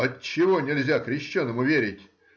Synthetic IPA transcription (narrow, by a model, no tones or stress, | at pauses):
ətt͡ɕɪvonʲɪlʲzʲakɾʲɪɕːɛnːəmʊvʲeɾʲɪtʲ